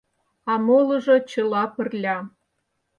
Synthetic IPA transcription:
ɑmolɤ̆ʒŏt͡ɕɤ̆lɑpə̆rlʲɑ

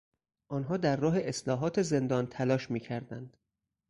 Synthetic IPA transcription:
ʔɒːnɦɒːd̪æɾːɒːɦeʔeslɒːɦɒːt̪ʰe̞ze̞nd̪ɒːnt̪ʰælɒːʃmiːcʰæɾd̪ænd̪̥

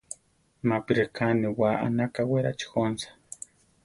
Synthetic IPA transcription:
mapiɾekʰaniwaʔa̰nakaweɾat͡ʃi̥xonsḁ

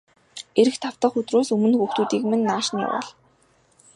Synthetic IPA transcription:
eɾɘ̆kt̪ʰaw̥t̪ə̆χɵt̪roːsɵmɘ̆nxuxt̪uːt̪iːkmɘ̆nːaːʃnḭːpɔ̰ɮ

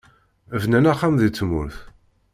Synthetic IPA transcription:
əvnænæχːamðit͡sːmʊ̰ɾθ

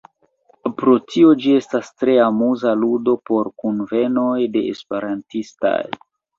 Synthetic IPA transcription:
pɾo̞tio̞d͡ʒie̞stastɾe̞amuzaludo̞po̞ɾkunve̞no̞jde̞ʔespeɾantista̰j

